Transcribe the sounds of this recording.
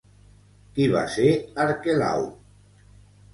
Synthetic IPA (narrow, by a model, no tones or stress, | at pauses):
kiβa̰seaɾkela̰w